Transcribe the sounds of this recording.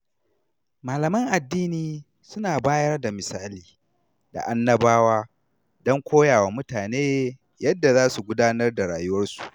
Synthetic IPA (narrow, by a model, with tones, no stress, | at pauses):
maː˨lɐ˨mɐ˦ŋʔa˨dːiː˦niː˨ | sʊ˦naː˨baː˦jɐ˦rda˨mɪ˨saː˦liː˨ | da̰˨ʔa˦nːɐ˦baː˦waː˦ | dɔ˦ŋkʷoː˦jaː˨wa˨mʊ˦taː˨neː˦ | jɐ˦dːa˨zaː˦su˨ɡʷʊ˦daː˦nɐ˦rda˨ɽaː˨jʊ˦wɐ˦rsu̥˨ʔ